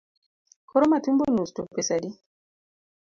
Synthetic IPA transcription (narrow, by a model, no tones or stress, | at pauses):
kʰɔɾomatumbonustopesadi